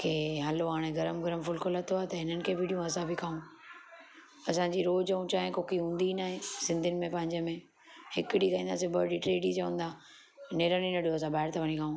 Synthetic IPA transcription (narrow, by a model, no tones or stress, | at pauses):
kʰeːɦɐloɦaːɽ̃eɡɐɾəmɡɐɾəmfʊlkʊlɐt̪ʰoaːt̪ɐɦɪnənɪ̆kʰeːbɪɗijũɐsãbɪkʰaːũ | ɐsãɲd͡ʑiɾoːd͡ʑɐũt͡ɕaːɦẽkoːkiɦũːn̆d̪inaːɦẽsɪ̃nd̪ʱiɪnɪ̆mẽpɐ̃ɦɪ̃ɲd͡ʑəmẽ | hɪkɪɽikaːĩːnd̪as̬ebəɖiʈɾeːɖit͡ɕɐʋə̃nd̪aː | neːɾəɽ̃inɐɗijoɐs̬ãbaːɪɽt̪ʰɐʋɐñĩkʰaːũː